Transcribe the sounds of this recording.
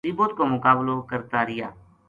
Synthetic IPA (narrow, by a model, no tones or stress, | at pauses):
iːboːt̪koːmʊkaːblokəɾt̪aːɾɪja̰ː